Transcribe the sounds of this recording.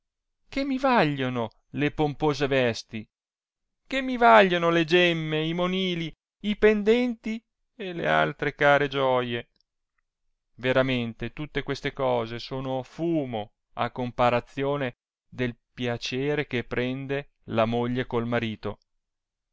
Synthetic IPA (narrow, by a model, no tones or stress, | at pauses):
kemːivaʎːono | lepompoːzevɛst̪i | kemːivaʎːonoled͡ʒɛmːeimoniːli | ipend̪ɛnt̪i | elḛa̰lt̪ɾekaːɾed͡ʒɔje | veɾament̪et̪ut̪ːekwest̪ekɔːzesoːnofuːmo | a̰kːompaɾat̪sːjoːne | d̪elpjat͡ʃeːɾek̟epːɾɛnd̪e | lamoʎːekolmaɾiːt̪o